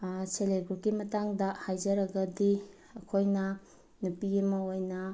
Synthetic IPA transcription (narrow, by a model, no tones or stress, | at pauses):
seleɡuɾkimɐtaŋdɐhajzɐɾɐɡɐdi | ɐkʰojnɐ | nupiɡmɐojnɐ